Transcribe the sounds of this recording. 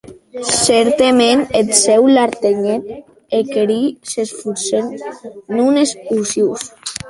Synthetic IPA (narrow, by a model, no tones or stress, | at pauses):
sɛɾt̪emenet̪sɛwlaɾt̪eɲet̪̚ | ekeɾisesfuɾsennunesusjus